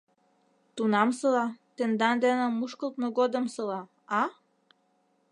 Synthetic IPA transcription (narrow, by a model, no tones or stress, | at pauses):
t̪unɑmsɤlɑt̪ĕnd̪ɑnd̪enəmːuʃkə̆lˠt̪noɡod̪ə̆msɤ̆lɑ | ɑ